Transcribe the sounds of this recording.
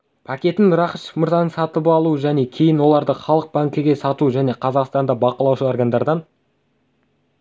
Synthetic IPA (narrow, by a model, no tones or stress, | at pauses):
pʰakʲe̞t̪ɪnɾɑχəʃə̥mʊɾzɑnəŋsɑt̪əpɑlˠuəʒæne̞kʲʰe̞jɪnwo̞lˠɑɾd̪əχɑlˠəq̚bɑŋkʲɪɡʲe̞sɑt̪uʒæne̞qʰɑzɑqst̪ɑnd̪ɑbɑqəlˠɑwʃəoɾɡand̪ɑɾd̪ɑn